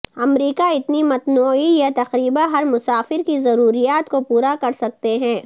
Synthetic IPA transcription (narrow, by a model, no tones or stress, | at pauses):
ɐmɾiːkaɪt̪nimɐt̪nuːijat̪ɐqɾiːbãɦɐɾmʊsaːfɪɾkizɐɾuːɾijaːt̪kopuːɾakɐɾsɐk̚t̪eɦɛ̃ː